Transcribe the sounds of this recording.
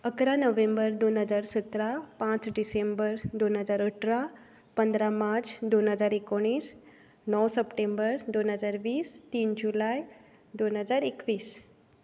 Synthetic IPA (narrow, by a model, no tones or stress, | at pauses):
əkɾanəʋembəɾd̪onɦəd͡zaɾsət̪ɾapãt͡sɖisembəɾd̪onɦəd͡zaɾəʈʰɾa | pənd̪ɾamaɾt͡sd̪onɦəd͡zaɾekoɽ̃iːs | nɔwsəpʈembəɾd̪onɦəd͡zaɾʋiːst̪iːnd͡ʑulaj | d̪onɦəd͡zaɾekʋiːs